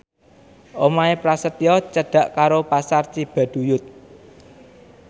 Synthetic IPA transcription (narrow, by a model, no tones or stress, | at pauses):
ʔomaepɾasət̪iɔt͡ʃəɖ̥ä̤ʔkaɾopasart͡ʃib̥a̤ɖ̪̥ṳjʊt̪̚